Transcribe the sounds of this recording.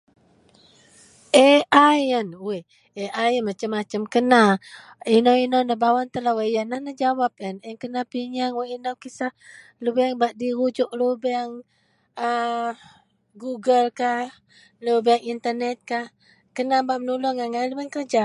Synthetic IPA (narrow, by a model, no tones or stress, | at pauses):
ʔeajənuwe | eʔajənmat͡ʃəmːat͡ʃəmkəna | inawinanəbawant̪əlawajanahnəd͡ʒawap̚ənəŋkənapiɲaŋwaʔinawkisah | lubɛaŋbaʔdiɾud͡ʒʊʔlubɛaŋ | ə | ɡuɡəlkah | lubɛaŋint̪ərnɛt̪̚kah | kənambaʔmənulɔŋaŋalubɛŋkərd͡ʒa